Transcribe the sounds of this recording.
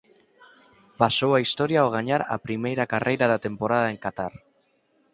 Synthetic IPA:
pasowaist̪ɔɾjaoɣ̞aɲaɾa̰pɾimejɾakarʔejɾaðat̪empoɾað̞aeŋkat̪aɾ

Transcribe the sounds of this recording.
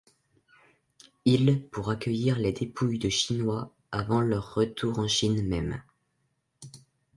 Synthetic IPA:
ilpuʁakʲəjiʁled̪epʰujd̪əʃinwa | avɑ̃lœʁːət̪ʰuʁɑ̃ʃinmɛm

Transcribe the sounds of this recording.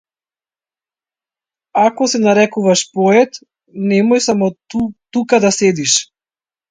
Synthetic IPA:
akɔsɛnaɾɛkuvaʃpɔɛt̪ | nɛmɔjsamɔt̪ukad̪asɛd̪iʃ

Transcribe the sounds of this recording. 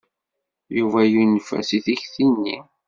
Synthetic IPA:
juvæjunfæ̰siθiçθinːi

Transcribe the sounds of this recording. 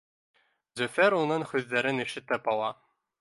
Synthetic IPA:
zɵfʲeɾunɤnχʉzlæɾɘ̆niʃɘ̆t̪ːæpɑlˠɑ

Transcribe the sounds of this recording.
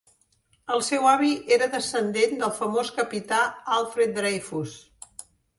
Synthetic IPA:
əlˠsɛwaβiʔeɾəðəsənd̪end̪əlˠfəmoskəpit̪aalˠfɾet̪̚d̪ɾejfus

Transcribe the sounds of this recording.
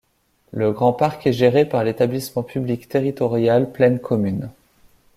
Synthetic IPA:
ləɡʁɑ̃paʁkɛʒeʁepaʁlet̪ablismɑ̃pʰyblikt̪eʁit̪ɔʁjalplɛnkʰɔmyn

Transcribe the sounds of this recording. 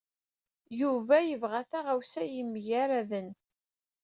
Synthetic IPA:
juvæjəvʁæθaʁæwsæjəmːjæɾæðən

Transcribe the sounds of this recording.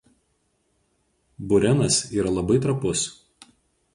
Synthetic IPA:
bʊɾʲɛnɐsiːɾɐlˠɐbɐɪt̪ɾɐpʊs

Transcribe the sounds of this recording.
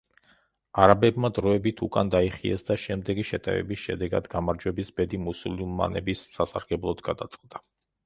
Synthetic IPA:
aɾabɛbmad̪ɾɔɛbit̪ʰukʼand̪aiχiɛsd̪aʃɛmd̪ɛɡiʃɛt̪ʼɛ̰vɛ̰bisʃɛd̪ɛɡa̰d̪ɡamaɾd͡ʒwɛbisbɛd̪imusulmːa̰nɛbisːasaɾɡɛblˠɔd̪ɡad̪at̪sʼqʼd̪a

